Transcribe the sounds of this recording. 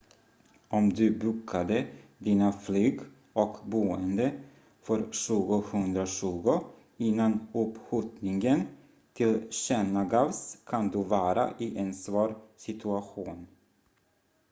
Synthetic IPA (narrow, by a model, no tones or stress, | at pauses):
ɔmd̪ɵbʉkʰːad̪əd̪iːnaflyːɡ | ʔɔkbuːənd̪ə | fœɾɕʉ̟ːɡʊhɵnd̪ɾaɕʉːɡʊ | ɪnːanɵphut̪nɪŋən | t̪ʰɪlɕɛnaɡavskʰand̪ɵvɑːɾa̰ʔɪʔɛnsvɑːɾsɪt̪ʰɵaɧuːn